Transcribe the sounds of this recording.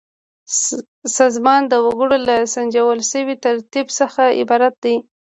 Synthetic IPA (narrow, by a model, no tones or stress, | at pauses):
sɑzmɑnd̪əwaɡəɽolasand͡ʒawəlʃəwit̪aɾt̪ibsəxaɪ̰bɑɾat̪̚d̪aj